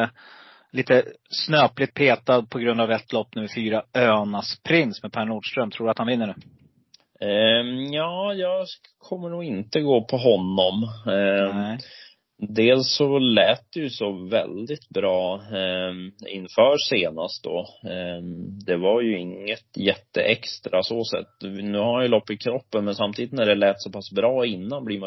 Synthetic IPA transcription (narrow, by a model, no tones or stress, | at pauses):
liːt̪əsnøːplɪt̪̚pʰeːt̪ad̪̚pʰɔɡɾɵnd̪avɛt̪ːlɔpːnɵ̟mːəɾfyːɾaøːnaspʰɾɪnsmɛpʰæːɳuːɖʂt̪ɾœmt̪ʰɾuːɖɵat̪hanvɪnːəɳʉ̟ː | jɑːjɑːɡ | kʰɔmːəɳuːɡɪnt̪əɡoːpʰɔɦɔnːɔm | d̪eːlsɔlɛːt̪̚d̪ɛjɵsɔvɛ̰ld̪ɪt̪bɾɑː | ɪ̰nfœːseːna̰st̪̚d̪ɔ | d̪ɛvaɾjɵɪŋːət̪jɛt̪ːə̰ʔɛkst̪ɾʔasoːsɛ̰t̪ːnʉ̟ːhaɾmanjɵlɔpːɪkʰɾɔpːənmɛnsamt̪ʰiːd̪ɪt̪næɖɛlɛːt̪sɔpʰasbɾɑːɪnːanbliːma